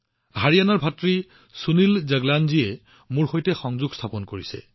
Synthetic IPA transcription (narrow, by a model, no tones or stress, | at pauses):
ɦaɹijanɔɹbʱatɹi | sunilzɛɡlanziɛ | muɹxojtɛxɔŋzuɡstʰapɔnkoɹisɛ̰